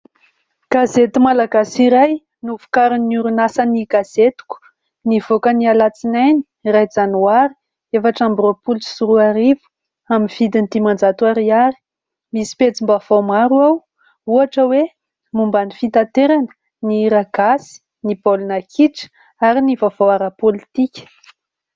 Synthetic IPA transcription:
ɡ̥azet̪imalaɡasiɾaj | nufu̥kaɾinuɾunasaniɡaz̥et̪u̥ku̥ | nivokənialat͡sinajni̥ | rajd͡zanuaɾi̥ | efaʈ͡ʂambropulsuɾuaɾivu̥ | aminv̥id̪init̪imand͡zat̪uaɾiaɾi̥ | misi̥pet͡simbav̥omaɾuaw | uaʈ͡ʂəwe | mumbanifit̪at̪eɾanə̥ | niɾaɡasi̥ | nibolunakʰiʈ͡ʂə̥ | aɾinivav̥owaɾapolit̪ikʲə̥

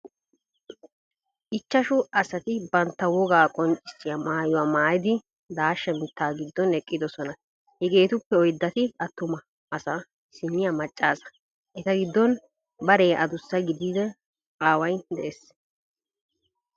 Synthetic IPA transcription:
ʔɪt͡ʃːɐʃʊɐsɐt̪ɪbɐnt̪ːɐwɔɡaːkʼɔnt͡ʃʼːɪ̥sːɪjɐmaːjʊwaːmaːjɪd̪ɪ | d̪aːʃːɛmɪt̪ːaːɡɪd̪ːɔnɛkʼːɪd̪ɔsɔnɐ | hɛɡe̞ːt̪ʊpːɛɔjd̪ːɐt̪ɪɐt̪ːʊmɐː | sɐ | sɪnːɪjamɐt͡ʃʼːaːsɐ̥ | ʔɛt̪ɐɡɪd̪ːɔn | bɐɾeːʔɐd̪ʊsːɐɡɪd̪iːd̪ɛ | qʼaːwɐjd̪ɛʔeːs

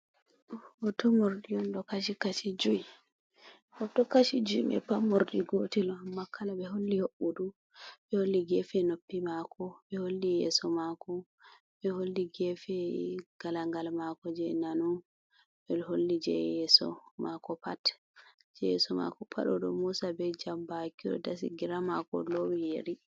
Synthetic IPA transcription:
ɔtɔmoɾdijɔndɔkat͡ʃikat͡ʃid͡ʒui | ɔtɔkat͡ʃid͡ʒuimɛ̰pamːoɾdiɡotilɔmakʰːalaɓɛɦolːihoɓːuɗu | ɓɛholːiɡɛfɛnopːimakɔɓɛholːijɛ̰sɔmakɔ | ɓɛholːiɡɛfɛɡ̥alaŋɡalmakɔd͡ʒɛnanu | bɛholːid͡ʒɛ̰jɛsɔ̰makɔpat | d͡ʒɛɛsɔma̰kɔpʰa̰ɗɔɗɔmusabɛd͡ʒambakiɗɔ̰dasḭɡiɾamakɔ̰lowijeɾi

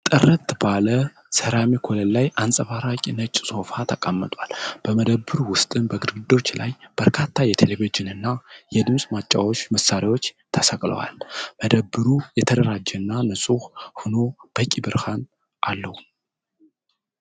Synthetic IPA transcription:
t̪ʼɨrːət̪balə | səɾamekʰoləlːajʔansʼəfaɾakʼinət͡ʃʼsʼo̞fat̪ʰəkʼamːɨt̪ʼwalb̥əməd̪əbːɨɾuwʊst̪ʼɨnbəɡɨd̪ɡɨd̪o̞t͡ʃːla̰jb̥əɾkʰat̪ʰːajɛt̪ʰelevid͡ʒɪnɨnːajɛd̪ɨmsʼmat͡ʃʼːawo̞t͡ʃːməsːaɾiwo̞t͡ʃː | t̪ʰəsəkʼlə̰wa̰lməd̪əbːɨɾujɛt̪ʰəd̪əɾad͡ʒːɛnːanɨsʼuhhunob̥əkʼibɨɾhan | ʔalːəh

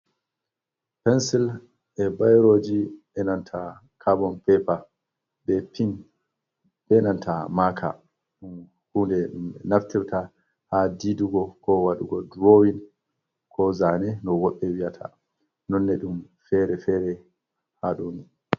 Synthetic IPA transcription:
pɛnsil | ʔɛbajɾoːd͡ʒiɓɛnantʰa | kʰabɔnpɛpa | bɛpin | ɓɛnantʰamakʰa̰ | ɗum | hundɛnaftiɾta | hadiduɡɔkʰɔwaɗuɡɔdɾowin | kʰɔzanɛnɔwɔɓːɛwijatʰa̰ | nɔnːɛɗum | fɛɾɛfɛɾɛ | haɗoni

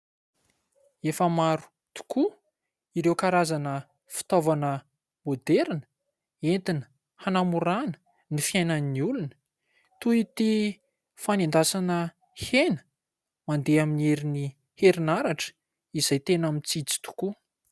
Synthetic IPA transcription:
efəmaɾu̥ | t̪u̥kʰu | iɾewkaɾazanə | fi̥t̪ovanə | mod̪eɾnə̥ | ent̪inə̥ | hanamuɾanə̥ | nifiajnəniulunə̥ | t̪uit̪i | fanend̪asanə | henə̥ | mand̪eaminieɾini | heɾinaɾaʈ͡ʂə̥ | iz̥ajt̪enamint͡sit͡si̥t̪u̥ku

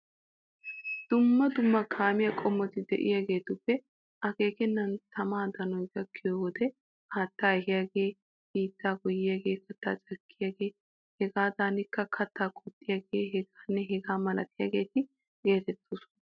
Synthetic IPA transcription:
d̪̥ʊmːɐd̪ʊmːɐkʰaːmɪjakʼɔmːɔt̪ɪd̪ɛ̰ʔɪ̰jaːɡe̞ːt̪ʊpːɛ | ʔɐke̞ːkɛnːɐnt̪ɐmaːd̪ɐnɔjɡɐkːɪjoːwɔd̪ɛ | haːt̪ːaːɛɦɪjaːɡeː | biːt̪ːaːɡʊjɪjaːɡe̞ːkʰɐt̪ːa̰ːt͡ʃʼɐkːɪjaːɡe̞ː | hɛɡaːd̪aːnɪkːɐkʰɐt̪ːaːkʰʼut̪ʼːɪjaːɡe̞ːɦɛɡaːnːɛɦɛɡaːmɐlɐ̰t̪ɪjaːɡe̞ːt̪ɪ | ɡe̞ːt̪ɛt̪ːos

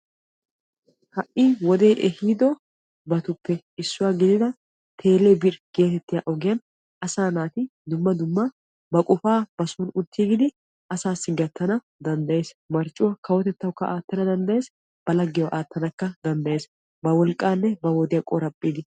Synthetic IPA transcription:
hɐʔiːwɔd̪e̞ːʔɛhiːd̪ɔ | bɐt̪ʊpːɛ | ɪsːʊwaːɡɪd̪ɪd̪ɐ | t̪ʰe̞ːleːbɪɾɡ̥e̞ːt̪ɛt̪ːɪjaʔɔɡɪjɐn | ʔɐsaːnaːt̪ɪd̪ʊmːɐd̪ʊmːɐ | bɐkʼʊfaːb̥ɐsʊnʊt̪ːiːɡɪd̪ɪ | ɐsaːsːɪɡɐt̪ːɐnɐ | d̪ɐnd̪ɐje̞ːsmɐɾt͡ʃʼːʊwɐkɐwɔt̪ɛt̪ːɐwkːɐʔaːt̪ːɐnɐd̪ɐnd̪ɐjeːs | b̥ɐlɐɡːɪjɐʔaːt̪ːɐnɐkːɐd̪ɐnd̪ɐje̞ːs | bɐwɔlkʼːaːnːɛbɐwɔd̪ɪjɐkʼɔɾɐpʼːiːd̪ɪ

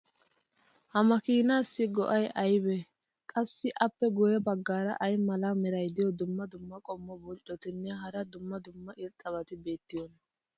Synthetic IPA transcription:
hɐmɐkiːnaːsːɪɡɔ̰ʔɐjʔɐjbɛ | kʼɐsːɪʔɐpːɛɡʊjɛbɐɡːaːɾɐ̰ʔɐjmɐlaːmɛɾɐjd̪ɪjɔd̪ʊmːɐd̪ʊmːɐkʼɔmːɔbʊlt͡ʃʼːɔt̪ɪnːɛɦɐɾɐd̪ʊmːɐd̪ʊmːɐʔɪɾt̪ʼːɐβɐt̪ɪbe̞ːt̪ːɪjɔnɐ

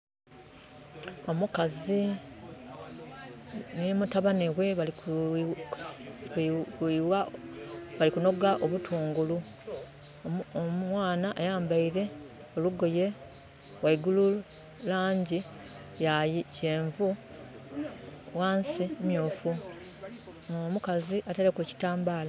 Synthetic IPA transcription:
o̞mukazi | nemutaβaneɣwe̞βali | iwa | βalikuno̞ɡaʔoβutʰuːŋɡulu | mmwaːnaʔːjaːmbaiɾe̞ | o̞luɡo̞je̞ | waiɡulu | laːɲɟi | jajice̞ːɱvu | waːnsiemjuːfu | omukaziʔatelekuci̥taːmbaːla

